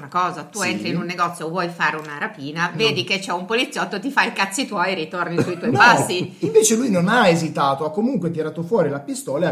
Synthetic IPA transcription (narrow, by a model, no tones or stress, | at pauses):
ɾakɔːzat̪uent̪ɾiːnunːeɡɔt̪sːjoːvːwɔjfaːɾeunaɾapiːnaveːd̪iket͡ʃːɛumpolit̪sjɔt̪ːot̪ifailkat̪sːit̪wɔjɾit̪ornisuit̪wɔjpasːiiɱveːt͡ʃelujnonaezit̪aːt̪oakːomuŋkwet̪iɾaːt̪ofwɔːɾilapist̪ɔːle